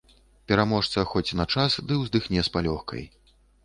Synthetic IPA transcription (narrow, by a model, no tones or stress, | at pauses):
pʲɛɾamɔʂt̪sɐxɔt͡sʲnɐt͡ʂasd̪ɨwzd̪ɨxnʲɛspalʲɔxkʰɐ̰j